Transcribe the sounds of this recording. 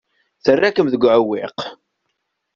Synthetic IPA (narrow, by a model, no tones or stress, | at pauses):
θərːækəmðəɡʷʕəwɪq